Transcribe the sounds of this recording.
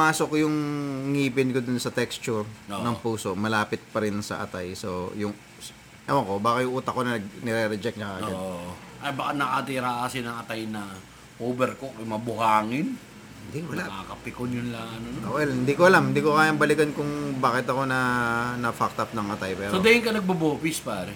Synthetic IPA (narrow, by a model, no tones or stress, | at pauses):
aːsokjʊŋŋiːpɪnkod̪onsɐt̪ɛkst͡ʃʊɹonɐŋpuːso̞mɐlaːpɪt̪̚pɐɾɪnsɐ̰ʔɐ̰t̪ajso̞jʊŋ | s | ɐwɐŋko̞baːkɐjʊŋʔuːt̪ɐkonɐnɐɡnɛɾɛɾɛd͡ʒɛk̚nɐkaːɡɡado | ʔɐjbakanɐkat̪iɾaʔasɪnɐŋɐt̪ajnɐ | oːbɛɾkojmɐbʊhaːŋɪn | hɪnd̪ikowɐlaakɐpɪkonjʊnlɐŋɐnoowɛlhɪnd̪iːkoʔɐlamhɪnd̪iːkokaːjɐŋbɐlɪɡɐnkʊŋbaːkɪt̪ɐko̞nɐnɐfak̚t̪ɐp̚nɐŋɐt̪ajpɛːɾod̪aɪŋkɐnɐɡ̚bɐboːpɪspaːɾɛ